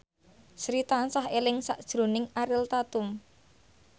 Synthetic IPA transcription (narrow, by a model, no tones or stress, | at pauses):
sɾit̪ansahelɪŋsaʔd̥ʒ̥ɾo̤nɪŋaɾɪlt̪at̪ʊm